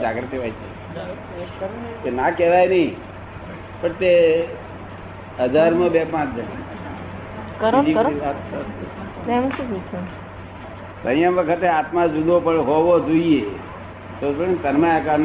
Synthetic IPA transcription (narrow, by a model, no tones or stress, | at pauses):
d͡ʒaɡɾt̪iʋajt͡ʃʰḛ | kenakɛʋajnəĩ | pəɳt̪e | ɦəd͡ʒaɾmõbepãt͡ʃd͡ʒəɽḭ | kɾd͡ʒiiat̪sə | ɛmʃũbut͡ʃʰo | t̪əjãʋəkʰət̪eat̪mãd͡ʒud̪opəɽɦoʋod͡ʒoie | t̪opənt̪əɾmajakaɾn